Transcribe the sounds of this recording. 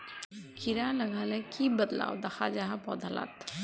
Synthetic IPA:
kʰiɾaləɡʱalɛ̃kʰibəd̪la̰ːwd̪ɐxʰad͡ʒaɦapɔ̰d̪ʱəla̰t̪ʰ

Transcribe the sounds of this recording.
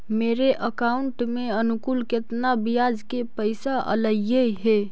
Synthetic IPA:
meːɾeʔəkaʊɳʈmẽənʊkulkɪt̪nabijad͡ʒkepəɪsaʔə̰ləjeɦe

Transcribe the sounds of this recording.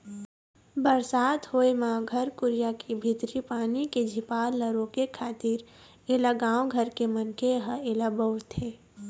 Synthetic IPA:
bəɾsaːt̪hoːemãɡʱɐɾkʊɾjakibʱɪt̪ɾipaːniked͡ʒʱɪpaːlːəɾõkekʰaːt̪ɪɾ | eːlaɡãːwɡʱəɾkemənkeɦəeːlabəʊt̪ɦeː

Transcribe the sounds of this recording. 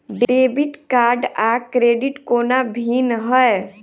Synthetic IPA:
ɖebiʈkaːɾɖakɾeɖiʈkoːnabʱiːnɦəe

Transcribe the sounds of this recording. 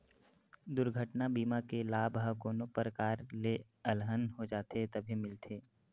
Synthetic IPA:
d̪ʊɾɡʱəʈnabiːmakelaːbɦəkoːnopɾəkaːɾle | əlɦənɦod͡ʒaːt̪et̪ɐbʱimɪlt̪ʰeː

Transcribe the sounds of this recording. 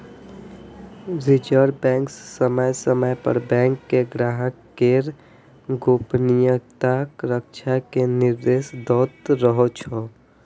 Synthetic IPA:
ɾid͡ʒəɾbɛ̃ːŋksːəməjsəməjpə̰ɾbɛ̃ːŋkːeɡɾaːɦəkkeɾ | ɡoːpnijəkt̪akɾəkʃʰakenɪɾd̪eːsd̪ɔːt̪ɾəɦot͡ʃʰɔ

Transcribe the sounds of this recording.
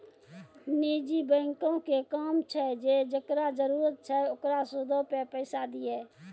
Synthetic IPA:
niːd͡ʒibə̃ːŋkõkekaːmt͡ʃʰɛd͡ʒeːd͡ʒəkɾad͡ʒəɾuːɾət̪̚t͡ʃʰɛʊkɾasʊd̪ʱopepəːsad̪iɛː

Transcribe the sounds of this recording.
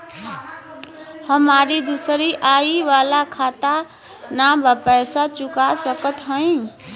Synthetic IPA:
həmaɾid̪usəɾiʔaiʋalakʰat̪a | nabəpəjsat͡ʃukasəkət̪ɦə̃ɪ̃

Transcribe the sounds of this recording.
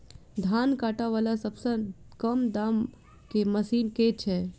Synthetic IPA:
d̪ʱankaːʈaʋalasəbsə̃kəmd̪am | keməsiːnket͡ʃʰɛ

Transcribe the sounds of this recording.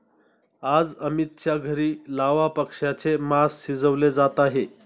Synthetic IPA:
ad͡zəmit̪̚t͡ɕjaɡʱəɾiːlaʋapəkʂjat͡semasːid͡zəʋled͡zat̪aɦe

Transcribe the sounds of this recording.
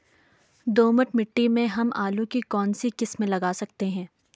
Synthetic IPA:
d̪oːməʈmɪʈːimẽɦɐmʔaːlũkikɔːnsikɪsmẽlɐɡaːsɐk̚t̪eɦɛ̃ː

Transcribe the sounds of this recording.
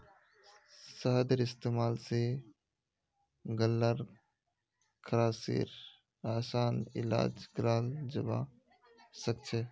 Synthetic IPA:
səɦd̪əɾɪst̪eːmaːlse | ɡəlːəɾ | kʰəɾaːsḭːɾ | aːsaːnɪ̰la̰ːd͡ʒɡɾaːld͡ʒəba̰ | sək̚t͡ʃʰe

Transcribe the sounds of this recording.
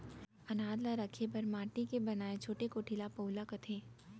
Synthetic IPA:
ɐnaːd̪laɾɐkʰebɐɾmaːʈikebɐnaːẽt͡ʃʰoːʈekoːʈʰilapoʊlakɐt̪ʰeː

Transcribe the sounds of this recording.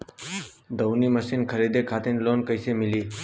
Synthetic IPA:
d̪əʋniːməsiːnkʰəɾiːd̪eːkʰaːt̪inloːnkəɪseːmɪliː

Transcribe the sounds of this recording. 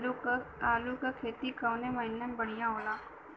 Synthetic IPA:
aːlukakʰeːt̪ikaʊnẽmɐɪnːəmbɐɽ̤ijãɦoːlaː

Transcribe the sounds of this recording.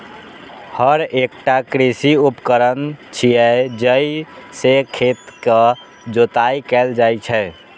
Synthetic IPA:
həɾekʈakɾisiupkəɾənt͡ʃʰijɛd͡ʒəisekʰet̪kə | d͡ʒot̪aikɛld͡ʒajt͡ʃʰɛ

